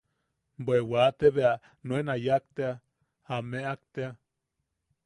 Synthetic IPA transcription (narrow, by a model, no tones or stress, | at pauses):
bwewat̪eβea | nwenajak̚t̪ea | hameʔak̚t̪ea